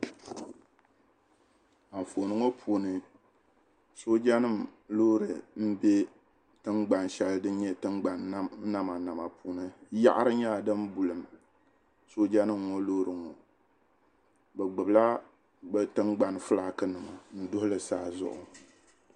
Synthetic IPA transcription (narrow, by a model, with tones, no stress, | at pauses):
a˨ɱ̩˨fo˨nɨ˦ŋo˦pʰuː˨nɨ˨ | so˦d͡ʒa˦nɨ˦˨mloː˦ɾɨ˨m̩˦be˦ | tɨ˦ŋɡ͡ba˨n˨ʃɛ˨lɨ˦dɨ˦ɲɛ˦tɨ˦ŋɡ͡ba˨n˦na˦ma˨na˨ma˨pʰuː˨nɨ˦ja̰˦ʔa˦ɾɨ˦ɲa˦˨dɨ˦m˦bu˨lɨ˨m | so˦d͡ʒa˦nɨ˦mːɔ˦loː˦ɾɨ˨ŋɔ˨ | bɛ˨ɡ͡bɨ˨bla˦ | bɛ˦tɨ˦ŋɡ͡ba˨n˨fɨ˦la˨kɨ˦nɨ˨ma˨n̩˨dʊ˦hʊ˦lɨ˨saː˦˨zʊ̰˨ʔʊ̰˨